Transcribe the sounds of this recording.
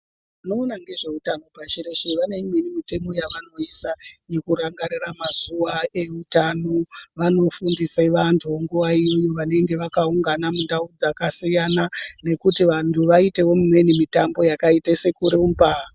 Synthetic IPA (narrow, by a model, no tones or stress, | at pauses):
ino̞ːnaŋɡe̞ʐeutano̞pat͡ʃireʃeʋane̞mwenimite̞mo̞jaʋano̞isaje̞kuɾaŋɡariramazuʋae̞utano̞ʋano̞fundiseʋantʰuʋoŋɡuʋaijojo̞ʋane̞ŋɡe̞ʋakauŋɡanamundaud͡zakasijanane̞kutiʋantʰuʋaite̞wo̞mumwe̞nimitambo̞jakaitase̞kuɾemba